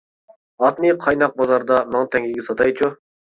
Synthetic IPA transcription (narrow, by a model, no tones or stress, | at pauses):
ɑt̪nɨqʰɑjnɑq̚bɑzɑɾd̪ɑnont̪ʰɛŋiɡʲɛsɑt̪ɑjt͡ʃʰu